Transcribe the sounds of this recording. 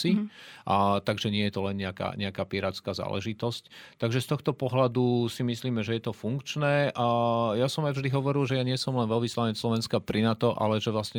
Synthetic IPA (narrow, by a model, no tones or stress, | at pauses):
i | t̪aɡʒɛɲɪɛjɛt̪ɔlɛnɲɛaka̰ːɲɛakaːpiɾaːt͡skaːza̰ːlʔɛ̰ʒit̪ɔsct̪aɡʒɛst̪ɔxt̪ɔpɔɦlad̪usimisliːmɛʒɛjɛt̪ɔfuŋkt͡ʃnɛːʔajasɔmajvʒd̪iɦɔʋɔɾilʒɛjaɲɪɛsɔmlɛnʋɛlʋislaɲɛt͡sslɔʋɛnskapɾinat̪ɔʔa̰lɛʒɛʋlasɲɛ